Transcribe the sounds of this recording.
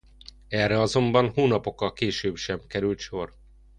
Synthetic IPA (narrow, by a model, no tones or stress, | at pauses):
ɛrːɛɒzo̞mbɒnhoːnɒpo̞kːɒlkeːʃøːbʃɛmkɛɾylt̪ʃo̞r